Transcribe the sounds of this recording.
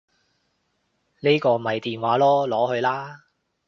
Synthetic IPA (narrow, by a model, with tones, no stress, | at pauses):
ne˥jkɔː˧mɐ˨˩jt̪iː˨nwaː˨˥lɔː˥lɔː˨˥hɵ˧ɥlaː˥